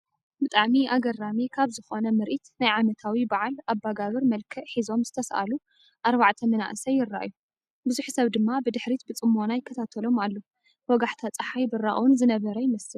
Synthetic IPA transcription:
bɨt̪ʼaʕmiʔaɡɐramikʰaβzɨxonɐmɨɾʔit̪najʕamɐt̪ʰawibaʕalabːaɡaβɐɾmɐlkʰɐʔħizo̞mzɨt̪ʰɐsʔa̰lu | ʔaɾβaʕt̪ʰɐmɐna̰ʔɨsɐjːɪrːa̰ʔju | bɨzuħsɐβd̪ɨmːabɨd̪ɨħɾit̪̚bɨt͡sʼɨmːo̞najɪkʰːɐt̪ʰat̪ʰɐlo̞malːo | wɔɡaħt̪ʰat͡sʼɐħajbɨrːaʔwnzɨnɐβɐɾɐjɪmɐsɨl

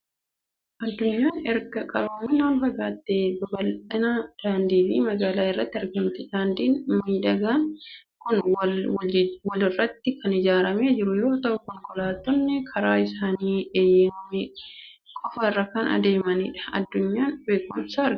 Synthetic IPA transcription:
ʔɐd̪ːʊɲːaːnɛɾɡɐkʼɐɾoːmɪnaːmbɐɡaːt̪ːeːbɐbɐlɐnɐd̪̥aːnd̪iːfimɐɡaːlaːɪrːɐt̪ːɪɛɾɡɐmt̪ɛdaːnd̪iːnmiːᶑɐɡaːnkʊn | wɔlɪrːɐt̪ːɪkɐnɪd͡ʒaːɾɐmeːd͡ʒɪɾʊjɛɾo̞ːt̪ɐʔʊkɔŋkʼɔlaːt̪ːɔnːɛkʰɐɾaːɪsaːniːeːjeːnme | kʼɔfɐrːɐkɐnɐ̰d̪e̞ːmɐniːᶑɐ̥ɐ̰d̪ːʊɲːaːnbeːkʼʊmsaːɛɾɡ

